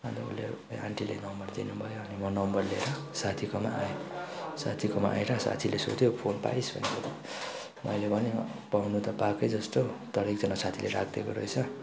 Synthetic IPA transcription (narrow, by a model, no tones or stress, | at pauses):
adʌṵlḛa̰ɳʈilḛnʌmbʌrd̪inubʱʌjoʌnimʌnʌmbʌrleɾʌsat̪ʰikoma̰ajosa̰t̪ʰikoma̰ʔa̰eɾʌsa̰t̪ʰileso̰t̪ʰjepʰonpa̰jsbʌ̰niot̪i | mʌ̰jlebʱʌnepawnut̪ʌpakʌjd͡zʌst̪ot̪ʌɾikd͡zʌnasat̪ʰileɾakʰd̪ekoɾʌ̰jt͡sʰʌ